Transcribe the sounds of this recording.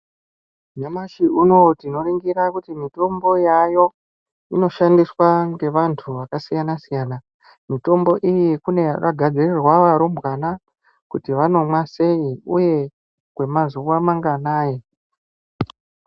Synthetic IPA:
ɲamaʃiuno̞tino̞riŋɡiɾakutimito̞mbo̞jajo̞ | ino̞ʃandiswaŋɡe̞ʋantʰuʋakasijanasijaːna | mito̞mbo̞ʔijikune̞ra̰ɡʱad͡zirirwaʋaɾombwana | kutiʋano̞mwase̞iuje̞ | kwe̞mazuwamaŋɡanaːje

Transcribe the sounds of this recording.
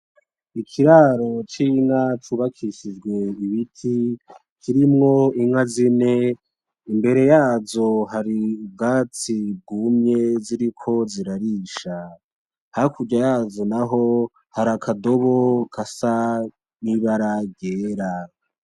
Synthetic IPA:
ikʰiɾaɾo̞t͡ʃiŋat͡ʃuβakʰiʃid͡ʒɡwe̞iβitʰi | kʰiɾimŋo̞iŋazine | imbe̞ɾe̞jaːzo̞ɦaɾibɡaːt͡sib̚ɡumɲe̞ziɾikʰo̞ziɾaɾiːʃa | hakuɟajaːzo̞naɦo | haɾakʰado̞βokʰasa | niβaɾaɡɟeːɾa

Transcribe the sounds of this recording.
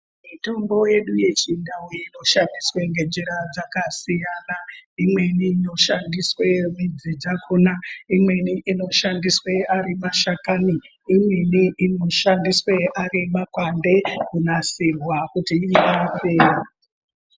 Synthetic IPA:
mito̞mbo̞je̞ɗuje̞t͡ʃindaweino̞ʃandiswe̞ŋɡe̞d͡ʒiɾad͡zakasijanaimwe̞niːno̞ʃandiswe̞mid͡zid͡zakʰunaimwe̞niʔːno̞ʃandiswearimaʃakani | imwe̞niʔino̞ʃandiswe̞ʔarimakwande̞kunasirwakutiiʔapeːa

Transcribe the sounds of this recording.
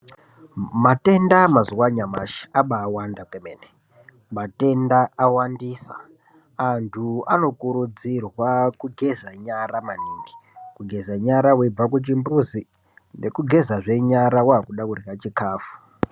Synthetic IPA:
mate̞ndamazuwaɲama̰ʃi̥aɓaːwandakwemene | mate̞ndaːwandiːsa̰ | antʰua̰no̞kuɾud͡zirwakuɡʱe̞zaɲaɾamaniːŋɡi̥kuɡʱe̞zaɲaɾaweb͡vakut͡ʃimbuzi | nde̞kuɡʱe̞zaʐe̞ɲaɾawaɦakuɗakurjat͡ʃikaːfu̥

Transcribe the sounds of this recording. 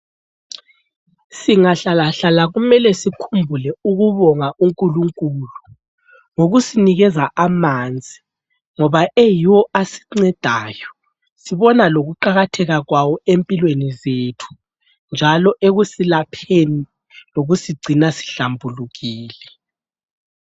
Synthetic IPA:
siŋaɬalaɬalaɣumɛlɛsikʰumbʱulɛuɣuβɔŋaʔuŋkʼuluŋkʼulu | ŋoɣusiniɣɛzaʔamand͡zʱi | ŋɔβaʔejiwɔʔasi̥ŋ͡ǀɛd̥ʱaːjɔ | siβɔnaloɣuǃaɣatʰɛɣaɣwawɔempʼilwenizetʰu̥ | nd͡ʒʱalɔʔeɣusilapʰeni | loɣusiɡ͡ǀʱinasi̥ɬambʱuluɣiːlɛ

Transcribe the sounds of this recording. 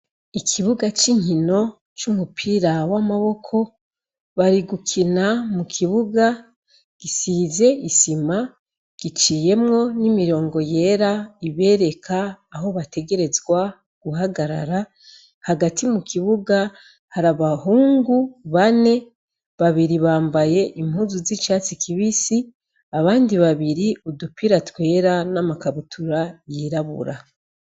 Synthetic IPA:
ikʰiβuɡat͡ʃiŋhino̞ | t͡ʃumupʰiɾawamaβo̞kʰo̞ | βaɾiɡukʰinamukʰiβuɡa | ɡ̥isize̞isima | ɡ̥it͡ʃiːje̞mŋo̞nimiɾo̞ːŋɡo̞je̞ːɾaiβe̞ːɾe̞kʰaːɦo̞βate̞ɡe̞ɾe̞zɡwa | ɡ̥uɦaɡaɾa̰ɾa | haɡatʰimukʰiβuɡa | haɾaβaɦuːŋɡuβane̞ | βaβiɾiβaːmbaje̞ʔimhuːzuzit͡ʃaːt͡sikiβisi | aβaːndiβaβiɾiudupiɾatwe̞ːɾanamakaβutʰuɾajiɾaβṵɾa

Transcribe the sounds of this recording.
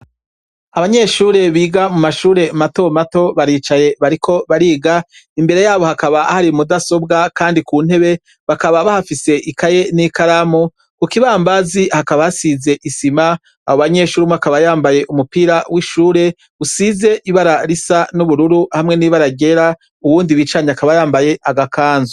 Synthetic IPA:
aβaɲe̞ʃuːɾe̞βiːɡamumaʃuːɾe̞mato̞mato̞βaɾiːt͡ʃaje̞βaɾikʰo̞βaɾiːɡaimbe̞ɾe̞jaːβo̞hakaβaahaɾimudaso̞bɡakaːndikuːn̥he̞βe̞ | βakaβaβahafise̞ʔikaje̞nikaɾamo | kukiβaːmbazihakaβajasize̞ʔisima | ahoβaɲe̞ʃuːɾimoakaβajaːmbaje̞ʔumupiːɾawiʃuːɾe̞ | usize̞ʔiβaɾaɾisanuβuɾuɾuhamŋe̞niːβaɾaɟe̞ɾa | uβuːndiβiːt͡ʃaɲaakaβajaːmbaje̞ʔaɡakʰaːnzo

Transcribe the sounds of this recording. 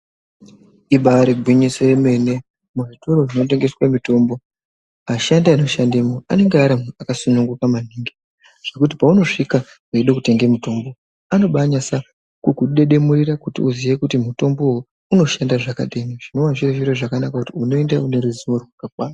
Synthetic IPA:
iɓaaɾeɡʱwiɲiseme̞ne̞ | muʐitoɾo̞ʐino̞t̬e̞ŋɡe̞swamito̞ːmbo̞ | aʃandaano̞ʃandemoa̰ne̞ŋɡeaɾamuakasunuŋɡukaman̤iŋɡe | ʐ̥e̞kut̬ipauno̞ʂika | eiɗekute̞ŋɡemuto̞mbo̞ | ano̞ɓaɲasa | kukuɗe̞ɗe̞murirakutḭuzije̞kutimuto̞mbo̞ɦu | uno̞ʃandaʐaka̰ɗe̞neʐino̞ʋaʐireʒiɾoʐakanakakutiuno̞endaune̞ɾuziʋorwakakwaːna

